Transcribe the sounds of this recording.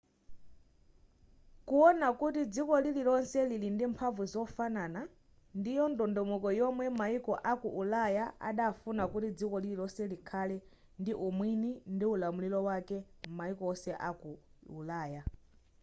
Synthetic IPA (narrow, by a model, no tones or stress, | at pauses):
kuɔnakutid͡zikɔlililɔnsɛlilindimpʰaɱvuzɔfanaːna | ndijɔndɔndɔmɔkɔjɔmwɛmaikɔʔakuʔulajaa̰ɗafunakutid͡zikɔlililɔsɛlikʰalɛ | ndiʔumwinindiulamulilɔwakɛmaikɔɔsɛʔakuulaːja